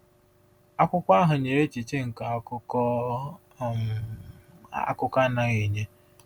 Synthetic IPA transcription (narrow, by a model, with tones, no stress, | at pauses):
a˦kʷʊ˦kʷa˦ɦʊ˨ɲe˨ɾe˦t͡ʃi˨t͡ʃe˦ŋ̩˨ka˨˦kʊ˦kɔ˦ | a̰˦kʊ˦ka˦na˦ɣi˨ɲe˦